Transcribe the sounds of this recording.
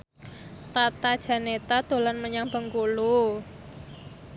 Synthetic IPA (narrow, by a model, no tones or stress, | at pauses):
t̪at̪ad̥ʒ̥a̤net̪ad̪̥o̤lanməɲaŋb̥ə̤ŋkulu